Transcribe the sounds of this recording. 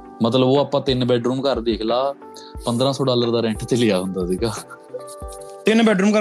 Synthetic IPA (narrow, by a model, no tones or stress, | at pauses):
mət̪ləboːaːpːãːt̪ɪnbɛːɖɾuːmkəɾd̪eːkʰlaː | pə̃nd̪ɾãːsɔːɖaːləɾd̪aːɾɛ̃ɳʈt̪eːlɪjaːɦʊnd̪aːsiːkaː | t̪ɪnbɛːɖɾuːmkə